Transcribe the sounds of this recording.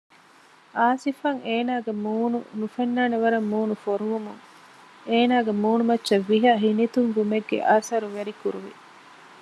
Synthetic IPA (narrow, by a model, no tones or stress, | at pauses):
aːsifɐŋeːnaːɡemuːnṵnufenːaːneʋɐɾɐmːuːnufoɾuʋumuŋ | eːnaːɡemuːnumɐtːʃɐʋːiɦɐɦinit̪uŋɡumeɡːḛʔaːsɐɾuʋeɾikuɾuʋḭ